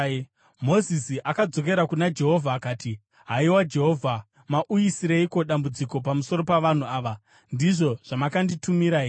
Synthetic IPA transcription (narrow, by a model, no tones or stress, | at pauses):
mo̞zisiʔakad͡zo̞k̬e̞ɾakunad͡ʒe̞ɦo̞vʱaːkaːti | ɦaiwad͡ʒe̞ɦo̞vʱa | maʔujisiɾeiko̞ɗambud͡ziko̞pamuso̞ɾo̞paʋan̤uaːʋa | ndiʐo̞ʐ̥amakanditumiɾai